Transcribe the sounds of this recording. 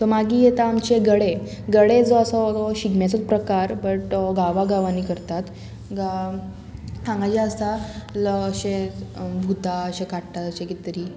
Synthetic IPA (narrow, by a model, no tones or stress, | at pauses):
t̪ɔmaɡiːjet̪aːmt͡ɕeɡəɽeɡəɽed͡zɔəsɔtɔɕiɡmjat͡sət͡spɾəkaɾbəʈɡaʋaɡaʋanikəɾt̪at̪ | ɡa | kʰãŋɡad͡ʑaəst̪aləəɕebʱut̪aəɕekaʈʈaəɕekit̪əɾiː